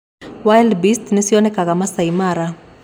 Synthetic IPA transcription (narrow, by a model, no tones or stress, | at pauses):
wajldbistnesiɔnɛkakamasaimaɾa